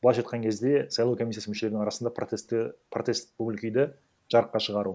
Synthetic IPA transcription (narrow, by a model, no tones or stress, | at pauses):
bolˠɑʃɑjt̪qɑŋkʲʰe̞zd̪e̞sɑjlˠɑwkʰo̞mʲisʲːijasəmʏʃe̞le̞ɾnɪŋɑɾɑsənd̪ɑspʰrot̪e̞st̪̚ɵbɪlkʲijd̪ɪ | ʒ̥ɑɾəqːɑʃəʁɑɾu